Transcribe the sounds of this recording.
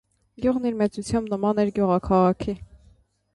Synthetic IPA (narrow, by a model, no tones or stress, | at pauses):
ɡjuʁniɾmɛt͡sut͡sʰjɑmbnəmɑnɛɾɡjuʁɑkʰɑʁɑkʰi